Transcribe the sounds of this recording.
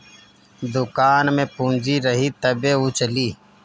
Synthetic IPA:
d̪ʊkaːnmẽpũːnd͡ʒiɾəɦit̪əbeʊt͡ʃliː

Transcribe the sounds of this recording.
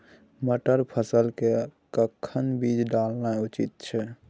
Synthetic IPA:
məʈəɾpʰəsəlkekəkʰːənbid͡ʒɖalnaut͡ʃit̪̚t͡ʃʰɛ

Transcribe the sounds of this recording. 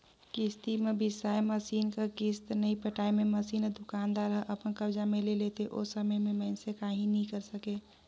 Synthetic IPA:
kist̪imebʱisaeməsiːnkakist̪nəĩpəʈaːememəsiːnd̪ʊkaːnd̪aːɾɦəʔəpənkəbd͡ʒamẽlelet̪eʔo̰səməjmẽməːnsekaːɦĩnəĩkəɾsəke

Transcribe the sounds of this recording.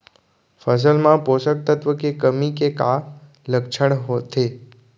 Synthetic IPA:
fəs̬əlmãposək̚t̪ət̪ʋəkekəmikeka | ləkʃʰəɳɦot̪ʰe

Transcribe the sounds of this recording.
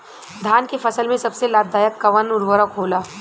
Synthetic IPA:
d̪ʱaːnkefɐsəlmẽsɐbselaːd̪d̪aːjəkːɐʋənʊɾʋəɾəkɦoːlaː

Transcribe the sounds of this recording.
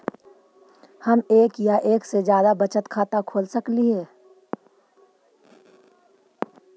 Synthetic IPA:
həmeːkjaʔeːksed͡ʒjaːd̪abət͡ʃət̪kʰaːt̪akʰoːlsəkliɦɛː

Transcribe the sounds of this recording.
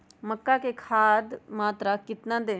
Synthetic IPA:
məkːaːkekʰaːd̪maːt̪ɾakɪt̪nãːd̪eː

